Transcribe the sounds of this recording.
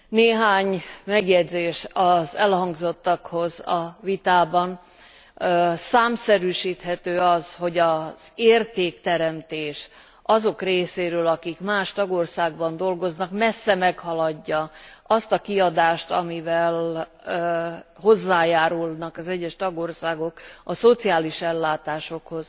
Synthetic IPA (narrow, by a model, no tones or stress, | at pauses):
neːɦaːɲmɛɡjɛd̪zeːʃɒzɛlhɒŋɡzo̞t̪ːɒkho̞zɒvit̪aːbɒn | saːmsɛɾyːʃiːt̪ɦɛt̪øːɒsho̞ɟɒz̥eːrt̪eːkt̪ɛɾɛmt̪eːʃ | ʔɒzo̞kreːseːɾøːlɒkikmaːʃt̪ɒɡo̞rsaːɡ̚bɒnd̪o̞lɡo̞znɒkmɛsːɛmɛkhɒlɒɟːɒʔɒst̪ɒkiɒd̪aːʃt̪ɒ̰mivɛlː | ho̞zːaːjaːɾulnɒkɒzɛɟːɛʃt̪ɒɡo̞rsaːɡo̞kɒso̞t̪siaːliʃɛlːaːt̪aːʃo̞kho̞z̥